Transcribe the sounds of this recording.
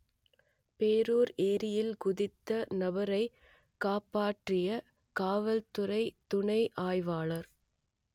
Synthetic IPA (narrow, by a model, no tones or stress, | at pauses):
peːɾuːɾeːɾɪjɪlɡʊðɪt̪ːɐnɐbɐɾɐɪ | kaːpːaːʈrɪjɐ | kaːʋɐlt̪ʊɾɐɪt̪ʊɳɐɪʔaːjʋaːɭɐɾ